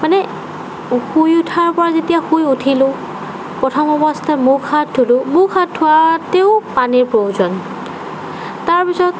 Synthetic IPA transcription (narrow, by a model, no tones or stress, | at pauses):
manɛ | xujutʰaɹpɔɹazetijaxujutʰilʊ | pɹɔtʰɔmɔbɔstʰamukhat̚dʰʊlʊmukʰat̚tʰːʊwateʊpaniɹpɹowzɔn | taɹpisɔt